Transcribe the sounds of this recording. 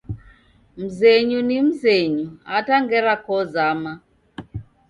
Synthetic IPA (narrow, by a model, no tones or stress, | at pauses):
m̩zɛɲunim̩zeɲuataŋɡɛɾakɔzama